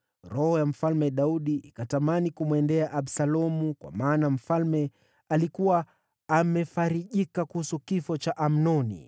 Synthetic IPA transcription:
ɾɔhɔjam̩falmɛɗauɗiʔikatamanikumwɛndɛaʔaɓsalɔmukwa̰maːnam̩falmɛ | alikuwaː | mɛfaɾiʄikakuhusukifɔt͡ʃaʔam̩nɔnḭ

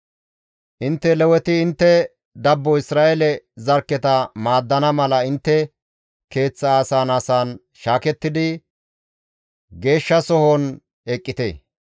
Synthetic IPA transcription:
ʔɪnt̪ːɛlɛwɛt̪ɪːnt̪ːɛ | d̪ɐbːɔɪsɾaːʔɛlɛzɐɾkːɛt̪ɐmaːd̪ːɐnɐmɐlɐɪnt̪ːɛ | ke̞ːt͡sːɐːsaːnɐsaːn | ʃaːkɛt̪ːɪd̪ɪ | ɡe̞ːʃːɐsɔhɔn | ɛkʼːɪt̪ḛː

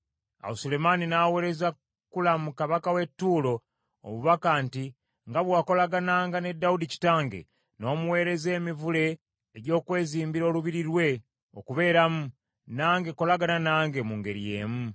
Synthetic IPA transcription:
a̰wusule̞maninawe̞ːɾeza | kulamukaβakawe̞tːuːlo̞ | o̰muβakaːnti | ŋɡaβwaːko̞laɡanaːŋɡane̞dːawudici̥taːŋɡe̞̰ | no̞ːmuwe̞ːɾe̞ze̞ːmivule̞ː | ɟo̞ːkwe̞ːziːmbiɾo̞ːluβiɾiɾwe̞ | o̞̰kuβe̞ːɾamu | naːŋɡe̞ko̞laɡananaːŋɡe̞muŋɡe̞ɾije̞̰ːmu

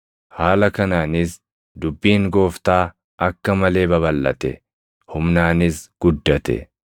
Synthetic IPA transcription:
haːlɐkɐnaːnɪs | d̪ʊbːiːŋɡo̞ːft̪aː | ʔɐkːɐmɐle̞ːbɐβɐlːɐ̰t̪ɛ̰ | hʊmnaːnɪsɡ̥ʊd̪ːɐt̪ɛ̰

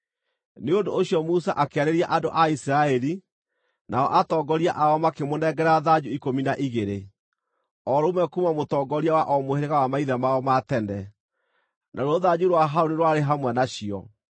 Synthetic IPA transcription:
neondooɕiɔmusaʔakeaɾeɾiaʔandoʔaisɾaɛɾi | naɔ̰ʔatɔɡɔɾiaʔaɔmakemonɛɡɛɾaðad͡ʑuikominaʔiɣeɾe | ɔɾomɛkumamotɔːɡɔɾiawaʔɔmoheɾeɣawamaiðamaɔmatɛnɛ | nʔaɾwoðad͡ʑuɾwaɦaoniɾwaɾeɦamwɛnaɕiɔ̰

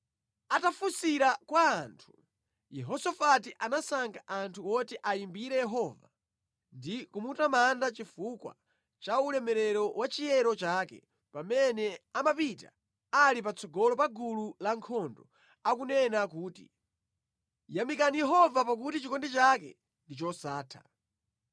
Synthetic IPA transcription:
atafusiɾakwaːntʰu̥ | jɛɦɔsɔfat̬iʔanasaŋɡaʔantʰuwɔtɛʔajimbiɾɛjɛɦɔva | ndikumutamandat͡ʃifukwa̰ | t͡ʃaulɛmɛɾɛɾɔwat͡ʃijɛɾɔt͡ʃaːkɛ | pamɛnɛamapita̰ | alip̬at͡sɔɡɔlɔp̬aɡululaŋkʰɔndɔ | akunɛnakuːtḭ | jamikanijɛɦɔvapak̬utit͡ʃikɔndɛt͡ʃakɛ̰ | ndit͡ʃɔsaːtʰḁ̰

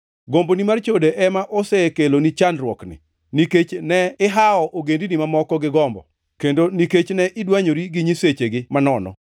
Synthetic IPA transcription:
ɡombonimart͡ʃodeʔɛmaʔɔsɛkelonit͡ʃanrwɔknɪ̰ | niket͡ʃnɛɪɦaɔʔoɡendinimamɔkɔɡɪɡɔmbɔ̰ | kendoniket͡ʃnɛʔɪdwaɲoɾiɡiɲiset͡ʃeɡɪmanɔnɔ̰

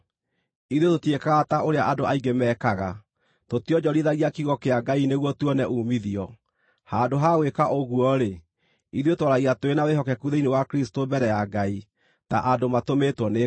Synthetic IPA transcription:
iðjototiekaɣataoɾeaʔadoaiɡemɛːkaɣa | totiɔd͡ʑɔɾiðaɣiakiɣɔkeaɡaineɣwɔtuɔnɛʔuːmiðiɔ | handoɦaɣwekaʔoɣwɔɾe | iðjotwɔɾaɣiatoenaweɦɔkɛkuðeinewakɾistombɛɾɛjaɡai | ta̰ʔadomatometwɔne

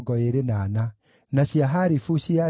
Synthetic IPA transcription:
ɡɔeɾenaːna | naɕiaɦaɾifuɕia

